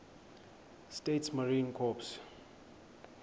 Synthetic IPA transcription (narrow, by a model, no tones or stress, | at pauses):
stetsmaɹĩnkʰɔps